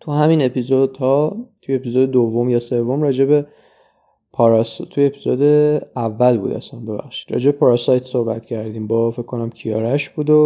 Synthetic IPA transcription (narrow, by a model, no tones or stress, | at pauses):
t̪ʰuhæmine̞pizod̪̥hɒːt̪ʰujepizoːd̪ed̪ovːo̞mjɒːse̞vːo̞mrɒːd͡ʒebe | pʰɒɾst̪ʰujepʰizoːd̪eævːælbṵːd̪æ̰sænbe̞bæ̰xʃii̥d̪̥ɾɒ̰ːd͡ʒebepʰɒɾɒsɒjt̪so̞hbæt̪cʰæɾd̪iːmbɒːfekʰkːo̞næmcʰijɒːɾæʃb̥uːd̪o